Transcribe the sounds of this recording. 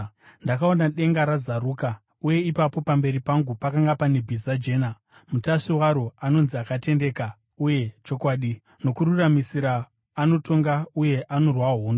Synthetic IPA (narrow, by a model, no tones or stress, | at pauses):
ndakaonaɗe̞ŋɡaɾazaɾuːka | uje̞ipapo̞pambe̞ɾipaŋɡupakaŋɡapanebʱizad͡ʒe̞ːna | mutaʂiwaɾoano̞nziakate̞nde̞ka | uje̞t͡ʃo̞kwaːɗi | no̞kururamisiɾaː | no̞to̞ŋɡauje̞ʔano̞rwaɦoːno